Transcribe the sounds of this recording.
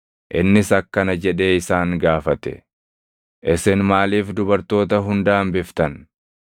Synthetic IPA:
ʔɪnːɪsɐkːɐnɐd͡ʒɛᶑe̞ːɪsaːŋɡaːfɐt̪ɛ̥̰ | ʔɪsɪnmaːliːfd̪ʊbɐɾt̪o̞ːt̪ɐɦʊnd̪aːmbɪft̪ɐn

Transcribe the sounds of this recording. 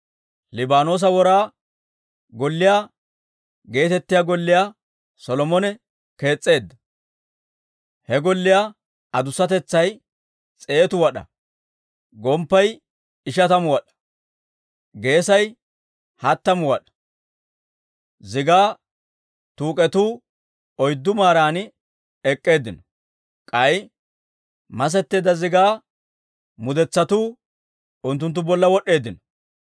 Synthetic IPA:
lɪbaːno̞ːs̬ɐwɔɾaː | ɡɔlːɪjaː | ɡe̞ːt̪ɛt̪ːɪjaːɡɔlːɪjaː | sɔlɔmɔnɛ | ke̞ːt͡sʼːe̞ːd̪ːɐ | hɛɡɔlːɪjaː | ɐd̪ʊsːɐt̪ɛt͡sːɐj | t͡sʼe̞ːt̪ʊwɐɗɐ̰ | ɡɔmpːɐj | ɪʃ̬ɐt̪ɐmʊwɐɗɐ̥ | ɡe̞ːsɐj | hɐt̪ːɐmʊwɐɗɐ̥ | zɪɡaː | t̪uːkʼɛt̪uː | ɔjd̪ːʊmaːɾaːn | ɛkʼːe̞ːd̪ːɪnɔ | kʼɐj | mɐs̬ɛt̪ːeːd̪ɐzɪɡaː | mʊd̪ɛt͡sːɐt̪uː | ʊnt̪ːʊnt̪̬ːʊbɔlːɐwɔɗːe̞ːd̪ːɪnɔ

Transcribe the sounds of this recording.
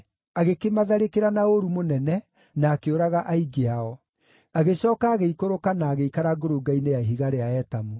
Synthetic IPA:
aɣekemaðɛɾekeɾanaoɾumonɛnɛ | naːkeoɾaɣaʔaiɡeaɔ | aɣesɔːkaːɣeikoɾokanaːɣeikaɾaɡoɾoɡainejaɦiɣaɾeaɛtamo

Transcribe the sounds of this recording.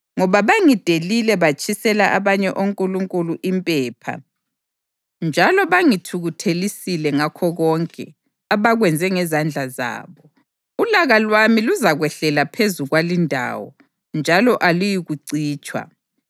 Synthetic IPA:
ŋɔβaβaŋid̥ʱelilɛβat͡ʃʼisɛlaʔaβaɲɛʔoŋkʼuluŋkʼuluʔimpʼɛːpʰa̰ | nd͡ʒʱalɔβaŋitʰuɣutʰelisilɛŋakʰɔɣɔŋkʼɛ̰ | aβaɣwɛnd͡zʱɛŋɛzand͡ɮʱaza̰ːβɔ | ulaɣalwamiluzaɣwɛɬɛlapʰezuɣwalindʱa̰wɔ̰ | nd͡ʒʱalɔʔalujiɣuǀiːt͡ʃʼwa̰

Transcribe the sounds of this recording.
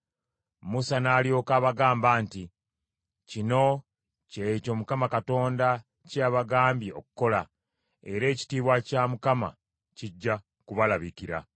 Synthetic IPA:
musanaːlio̞ːkaːβaɡaːmbaːnti | cino̞ | ceco̞mukamakato̞ːnda | caːβaɡaːmbjio̞̰kuko̞la | e̞̰ɾe̞ːci̥tiːβwacamukama̰ | ciɟːa | kuβalaβikiɾa̰

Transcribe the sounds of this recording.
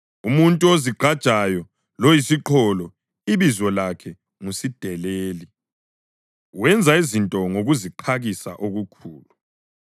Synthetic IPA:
umuntʼuoziɡ͡ǃʱad̥ʒ̥ʼʱajɔ | lojisiǃʰɔlɔ | iβizɔlakʰɛ | ŋusid̥ʱɛleːli | wɛnd͡zʱaizintʼɔŋoɣuziǃʰaɣisa̰ʔoɣukʰuːlu

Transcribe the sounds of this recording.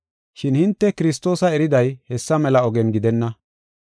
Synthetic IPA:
ʃɪnhɪnt̪ːɛkɪɾɪs̬t̪o̞ːsɐɛɾɪd̪ɐjhɛsːɐmɛlɐɔɡɛnɡɪd̪ɛnːɐ

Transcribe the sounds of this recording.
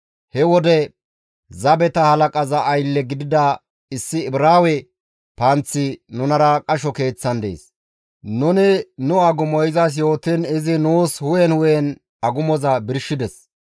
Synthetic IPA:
hɛwɔd̪ɛ | zɐbɛt̪ɐhɐlɐkʼɐzɐʔːjlːɛɡɪd̪ɪd̪ɐ | ɪsːɪɪbɾaːwɛ | pɐnt͡sːɪnʊnɐɾɐkʼɐʃɔke̞ːt͡sːɐnd̪ḛːs | nʊnɪnʊɐɡʊmɔjɪzɐs̬jo̞ːt̪ːɪnɪzɪnuːshʊjɛnhʊjɛn | ɐɡʊmɔzɐbɪɾʃɪd̪ɛs

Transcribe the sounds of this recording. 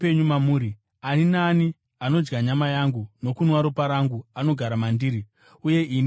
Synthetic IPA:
peɲumamuːɾi | aninani | ano̞d͡ʒɡaɲamajaŋɡuno̞kunwaɾopaɾaŋɡuano̞ɡʱaɾamandiːɾi | uje̞ʔin

